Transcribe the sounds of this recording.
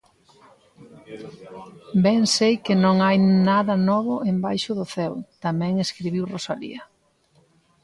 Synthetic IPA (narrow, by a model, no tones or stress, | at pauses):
bɛŋsejkɪnõŋajnaðɐnɔβʊʔembajʃʊðʊθɛwt̪amɛ̃ŋeskɾiβ̞iwrosalḭɐ